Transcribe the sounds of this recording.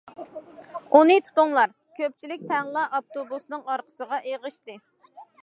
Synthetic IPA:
unɨt̪ʰu̥t̪ʊŋlˠɑɾ | kʲʰøp̚t͡ʃʰilɪk̚ʲt̪ʰɛŋlˠɑʔɑp̚t̪obusnɨŋɑɾqʰə̥səʁɑʔeʁəʃt̪ɨ

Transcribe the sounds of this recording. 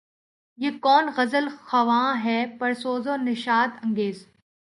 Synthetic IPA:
jeːkɔːnɣɐzəlxɐʋãːɦɛpɐɾsoːzõːnɪʃaːt̪ɐ̃ŋɡeːz

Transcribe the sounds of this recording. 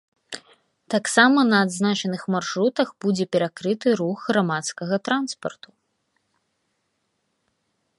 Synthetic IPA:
t̪aksamɐnɐːd̪znat͡ʂɐnɨxmarʂɾut̪ɐxbud͡zʲɛpʲɛɾakɾɨt̪ɨɾuɣɣɾamat̪skɐɣɐt̪ɾanspɐ̰rt̪u̥

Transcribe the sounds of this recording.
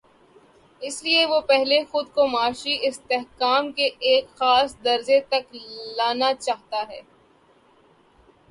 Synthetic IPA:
ɪslieʋopɛɦlexʊd̪komaːʃiʔɪst̪eɦkaːmkeʔeːkxaːsd̪ɐɾzet̪ɐklaːnat͡ʃaːɦt̪aɦɛː

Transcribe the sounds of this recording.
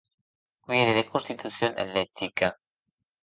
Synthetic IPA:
ueɾeðekonst̪it̪uθjonḛlet̪ika

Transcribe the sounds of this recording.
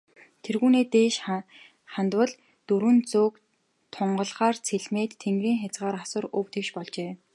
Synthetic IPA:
t̪ʰerɣuːneːt̪eːʃ | χant̪wə̆ɮ | t̪ɵɾwɘ̆nt͡sʊːk | t̪ʰʊɴɢɞ̆ɮχaːrt͡sʰeɮmeːt̪ʰːeŋɡriːŋxʲat͡sɢaːɾasʊ̆rɵwt̪ʰĕwʃpɔɮt͡ɕeː

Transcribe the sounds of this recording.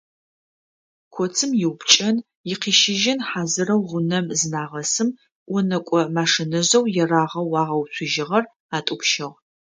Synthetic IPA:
kʷʰɔt͡sʰɨmjɪwpt͡ʃʼɐn | jɪqiːʃɪʒɪnħaːzɨɾɐwʁʷʊnɐmzɨnaːʁɐsɨm | ʔʷɔnɐkʷʼɔmaːʂɪnɐʑɐwjɛraːʁɐwɑːʁɐwɕʰʷʊʒɪʁɐr | aːtʼʊpʃɐʁ

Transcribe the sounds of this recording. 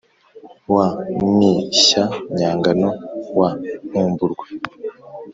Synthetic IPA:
wamiɕaɲaːŋɡanowanuːmbuɾɡwe

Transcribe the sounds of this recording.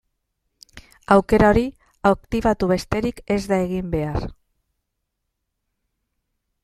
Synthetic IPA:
awke̞ɾaoɾi | akt̪iβ̞at̪uβ̞e̞st̪e̞ɾike̞zd̪aeɣ̞imbe̞aɾ

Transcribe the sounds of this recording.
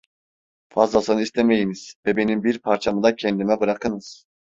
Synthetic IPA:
fazlˠasɯnɯist̪ʰeme̞jiniz̥vɛbe̞nimbiɾpʰaɾt͡ʃʰamɯd̪acʰɛnd̪imɛbɯɾakʰɯnɯz̥

